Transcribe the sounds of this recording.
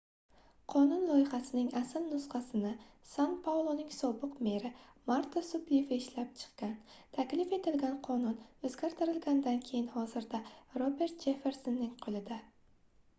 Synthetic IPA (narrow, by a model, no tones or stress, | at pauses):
qʰɒnʊnlˠɒjɪhasɪnɪŋasɪlnʊsχɑsɪnɪsanpʰawlˠonɪŋsɒbɨqme̞ɾɪmaɾt̪ʰasʊbevaɪʃlap̚t͡ʃʰɨ̥qkʲant̪ʰakʲlɪfe̞t̪ɪlɡʲanqʰɒnʊnɵzɡʲaɾt̪ʰɪɾɪlɡʲand̪ankʲʰe̞jɪnhɒzɪɾd̪aɾobe̞ɾt̪̚d͡ʒe̞fe̞ɾsonːɪŋqʰolˠɪd̪a